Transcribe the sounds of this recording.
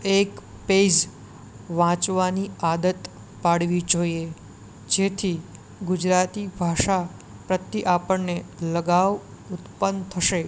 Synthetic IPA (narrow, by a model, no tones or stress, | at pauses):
ek | ped͡ʒ | ʋãt͡ʃʋaniad̪ət̪ | paɽʋid͡ʒoie | d͡ʒet̪ʰi | ɡʊd͡ʒɾat̪ibʱaʃa | pɾət̪ːiʔapəɳneləɡaʋ | ʊt̪pənt̪ʰəʃe